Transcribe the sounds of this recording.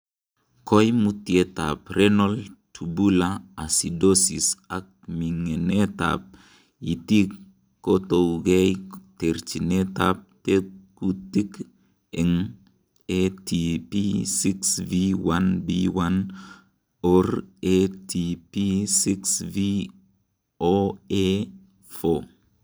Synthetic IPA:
kɔjmutieta̰p̚ɾenɔltʰubulaasidosisak̚miŋeneta̰p̚ | itik | kːotoɡɛjteɾt͡ʃineta̰p̚tekutik | eŋ | etʰipisiksviwanbiwan | oɾetʰipisiksvi | oe | fo

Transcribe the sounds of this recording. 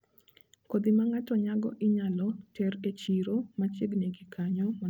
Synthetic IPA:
kod̪ɪmaŋatɔɲaɡɔ̰ʔɪɲalɔtɛɾet͡ʃiɾomat͡ʃeɡneɡikʰaɲɔma

